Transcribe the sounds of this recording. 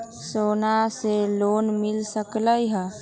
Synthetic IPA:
soːnaseloːnmɪlsəkləiɦɛ

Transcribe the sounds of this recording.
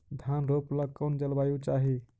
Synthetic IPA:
d̪ʱjanɾopləkənd͡ʒəlbajut͡ʃaɦi

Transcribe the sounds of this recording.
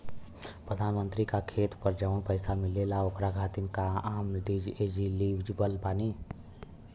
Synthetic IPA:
pɾəd̪ʱaːnmə̃nt̪ɾikakʰeːt̪pəɾd͡ʒəʋʊnpəɪsamɪlelaokɾaɡʱaːt̪inkaaːmnɖ̪id͡ʒeːd͡ʒiliʋʱd͡ʒbəlbaːni

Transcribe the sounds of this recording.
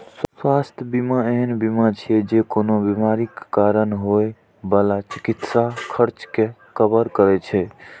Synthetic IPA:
swast̪ʰbimaeɦənbimat͡ʃʰiɛd͡ʒekonobimaɾikːaɾənɦoj | bəlat͡ʃikit̪sakʰəɾt͡ʃkekəbəɾkəɾɛt͡ʃʰɛ

